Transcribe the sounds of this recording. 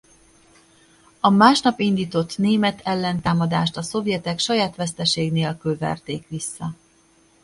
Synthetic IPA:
ɒmaːʃnɒpind̪iːt̪o̞t̪neːmɛt̪ʰɛlːɛnt̪aːmɒd̪aːʃt̪ɒso̞vjɛt̪ɛkʃɒjaːt̪ʋɛst̪ɛʃeːɡneːlkylvɛ̰rt̪eːkʋisːɒ

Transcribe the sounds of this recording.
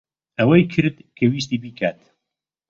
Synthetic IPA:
ɐwɐjkʰɨɾd̪kʰɐwiːs̬t̪iːbiːkʰaːt̪

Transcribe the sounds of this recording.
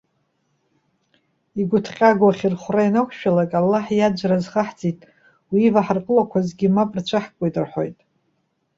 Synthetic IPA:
iɡʷʊtʰqʲʼaɡʷaχʲirχʷrainakʷʰʃᶣalakʼalːaħjad͡ʒʷrazχaħt͡sʼitʼ | wivaħarqʼəlakʷʰazɡʲimapʼrt͡ɕʷʰaħkʷʼojtʼɨrħo̞jtʼ

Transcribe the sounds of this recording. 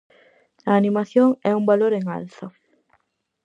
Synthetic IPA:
aːnimaθjoŋɛumbaloɾeŋa̰lθa

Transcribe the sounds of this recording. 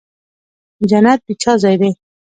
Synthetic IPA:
d͡ʒanat̪̚bit͡ʃʰɑzɑjd̪e

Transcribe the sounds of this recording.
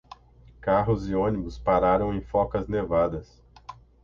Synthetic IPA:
kaɦʊzɪõnibʊspaɾaɾɐ̃w̃ẽj̃fɔkɐznevad̪ɐs

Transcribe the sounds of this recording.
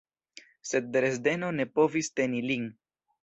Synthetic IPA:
se̞d̪̚ːɾesd̪e̞no̞ne̞po̞vist̪e̞nilin

